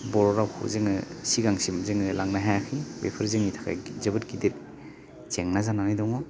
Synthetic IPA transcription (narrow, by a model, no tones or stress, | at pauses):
bɔɾɔɾawkʰṵzeŋɯsiɡaŋsimzeŋɯlaŋnaɦajakʰibḛpʰɯɾzeŋitʰḁkʰa̰jzɯbɯt̚ɡideɾ | t͡ʃeŋnazananajdɔŋɔ